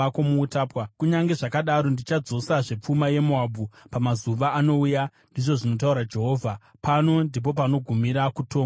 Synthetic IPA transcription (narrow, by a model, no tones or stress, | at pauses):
akomuːtaːpwakuɲaŋɡe̞ʐakaɗaɾondit͡ʃad͡zo̞saʐe̞p͡fumaje̞muabʱupamazuʋaːno̞uja | ndiʐo̞ʐino̞t̬auɾad͡ʒe̞ɦo̞ːvʱa | pano̞ndip̬o̞p̬ano̞ɡʱumiɾakutoː